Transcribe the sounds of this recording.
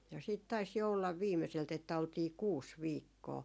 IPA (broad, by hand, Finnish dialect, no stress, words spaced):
jɑ siːt tɑis jo olːɑʋ ʋiːmeselt etːæ oltiː kuːs ʋiːkːoː